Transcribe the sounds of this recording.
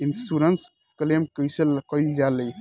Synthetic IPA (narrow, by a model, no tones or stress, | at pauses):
insuɾəns | klemkəjsəlkəjld͡ʒaləj